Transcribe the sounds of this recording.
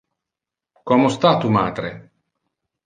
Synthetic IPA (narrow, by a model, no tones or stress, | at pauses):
kɔmost̪at̪umaːd̪ɾe